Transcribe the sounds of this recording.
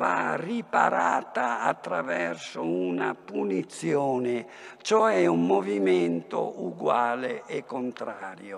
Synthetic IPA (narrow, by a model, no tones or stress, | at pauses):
aripa̰ɾaːt̪aːt̪ːɾavɛrsounapunit̪sjɔːne | t͡ʃoɛumːɔvimɛnt̪o̰uɡwaːleekːont̪ɾaːɾjo